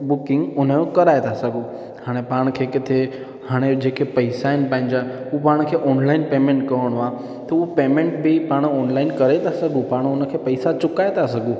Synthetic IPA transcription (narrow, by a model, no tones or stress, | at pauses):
bʊkɪ̃ŋɡʊnəjokɐɾaːet̪ʰasɐɡʱu | haːɽ̃epaːɽ̃kʰeːkɪt̪ʰe | haːɽ̃ed͡ʑeːkepɐɪsaɪnɪ̆pãːɪ̃ɲ̆d͡ʑaɦ | upaːɽ̃kʰeːʔɔːnlaːɪnpeːmẽɳʈkɐɦəɽ̃ua | t̪ɐupeːmẽɳʈbipaːɽ̃ɔːnlaːɪnkɐɾet̪ʰasɐɡũpaːɽ̃ʊnə̆kʰeːpɐisat͡ɕʊkaːet̪ʰasɐɡũ